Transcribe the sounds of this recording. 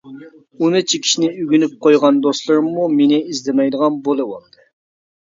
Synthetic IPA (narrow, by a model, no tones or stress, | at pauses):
unɨt͡ʃʰikʲʰi̥ʃinɪyɡʲynyp̚qʰojʁɑnd̪oslˠɨɾɨmːumenɪizd̪ɪmɛjd̪əʁɑnbolˠɨwolˠd̪ɨ